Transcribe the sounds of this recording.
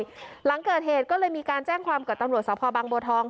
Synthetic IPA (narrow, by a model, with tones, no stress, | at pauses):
la˩˦ŋkɤː˨˩t̪̚heː˨˩t̪̚kɔː˥˩lɤː˧jmiː˧kaː˧nt͡ɕɛː˥˩ŋkʰwaː˧mkaː˨˩t̪a˧mɾu˨˩ət̪̚sɔː˩˦˥pʰɔː˧baː˧ŋboː˧t̪ʰɔː˧ŋ